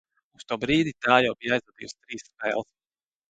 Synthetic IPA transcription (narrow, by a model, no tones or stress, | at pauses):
ust̪uːbɾiːd̪it̪aːjawbijajzlˠad̪ḭːwst̪ɾiːsːpɛ̰ːlˠs